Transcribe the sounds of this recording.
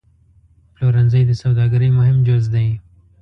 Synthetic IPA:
ploɾanzəjd̪əsawd̪ɑɡaɾəjmʊɦɪmd͡ʒozd̪aj

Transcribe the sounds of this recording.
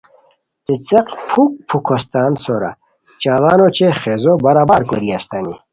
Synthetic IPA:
t͡sit͡seqpʰuk̚pʰukʰost̪aːnsoɾa̰ | t͡ɕaːɣaːnot͡ɕʰeχezobɐɾaːbaɾkoɾiɐst̪anḭ

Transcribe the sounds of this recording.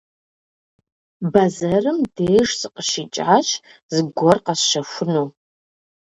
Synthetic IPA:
bazɐrɨmdeːʐsɨqʼəʃit͡ʃʼʕaʃ | zɨɡʷɔrqasʃɐfʷʊnu

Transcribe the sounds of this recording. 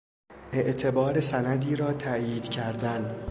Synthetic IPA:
ʔe̞ʔt̪ʰe̞bɒːɾe̞sænæd̪iːɾɒːt̪ʰæʔjiːd̪̥cʰæɾd̪æn

